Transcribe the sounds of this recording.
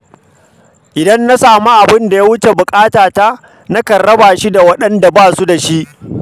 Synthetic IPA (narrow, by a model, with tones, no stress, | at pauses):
ʔɪ˨dɐ˦nːa˦saː˨mu˦ʔa˨bɪ˦nda˨ja˦wʊ˦t͡ʃe˨bʊ˨kʼaː˦taː˨ta˦ | na˦kɐ˨rːɐ˦baː˨ʃi˦da˨wɐ˦ɗɐ˦nda˨baː˦˨su˦da˨ʃi˦ʔ